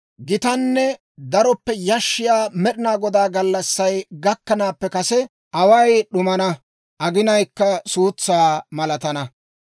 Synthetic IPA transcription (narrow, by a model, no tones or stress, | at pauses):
ɡɪt̪ɐnːɛ | d̪ɐɾɔpːɛjɐʃːɪjaːmɛɗɪnaːɡɔd̪aːɡɐlːɐsːɐjɡɐkːɐnaːpːɛkɐsɛ | ʔɐwɐjɗʊmɐnɐ | ʔɐɡɪnɐjkːɐsuːt͡sːaːmɐlɐt̪ɐnɐ